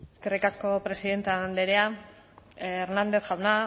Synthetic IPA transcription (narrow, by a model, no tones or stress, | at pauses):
eskerikasko̞pɾe̞siðe̞nt̪eand̪eɾea | eɾnand̪e̞θʝawna